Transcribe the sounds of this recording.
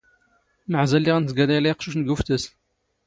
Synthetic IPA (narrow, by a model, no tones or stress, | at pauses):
məʕzælːiʁænθɡælælæjəqʃuʃnəɡuft̪əs